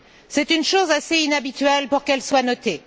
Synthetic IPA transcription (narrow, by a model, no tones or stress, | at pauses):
sɛt̪ynʃozaseinabit̪ɥɛlpuʁkɛlswanɔt̪e